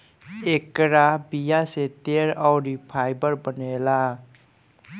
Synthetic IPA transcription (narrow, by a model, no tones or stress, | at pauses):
ekɾabijaset̪eɾawɾipʰajbəɾbənela